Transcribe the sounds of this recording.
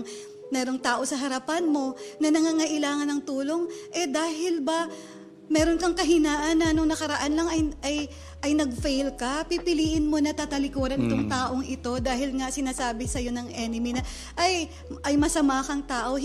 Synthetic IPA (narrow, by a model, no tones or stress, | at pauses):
mɛːɾo̞ŋt̪aːʔo̞sɐɦɐɾɐpanmo̞nɐnɐŋaːŋɐʔɪlaːŋɐnːɐŋt̪uːlo̞ŋʔɛd̪aːɦɪlbɐ | mɛːɾo̞nkɐŋkɐɦɪnaːʔɐnːɐnoŋnɐkɐɾɐʔanlɐŋɐjʔɐj | ʔɐjnɐɡ̚fɛjlkɐpipɪliːʔɪnmo̞nɐt̪aːt̪ɐlɪkuːɾɐnʔɪt̪o̞ŋt̪aːʔo̞ŋʔɪt̪o̞d̪aːɦɪlŋɐsɪnaːsaːbɪsɐjo̞nɐŋʔɛːnɪminɐ | ʔɐj | ʔɐjmɐsɐmaːkɐŋt̪aːʔo̞